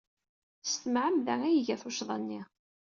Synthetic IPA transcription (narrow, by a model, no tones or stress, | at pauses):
st̪əmʕəmðæŋæjʝæθʊʃðˤɑnːi